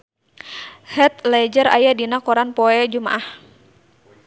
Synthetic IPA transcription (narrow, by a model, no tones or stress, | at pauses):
hɛt̪̚lɛd͡ʒəɾa̰jadinakɔɾanpɔɛd͡ʒumaʔah